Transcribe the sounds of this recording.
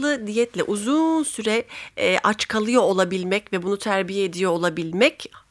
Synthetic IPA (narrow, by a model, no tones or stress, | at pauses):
ɯd̪ijɛt̪lʲɛ̰ʔuzunsyɾɛʔat͡ʃkʰalˠɯjo̞olˠabilʲmɛcvɛbunut̪ʰæɾbijɛed̪ijo̞ːlˠabilʲmɛc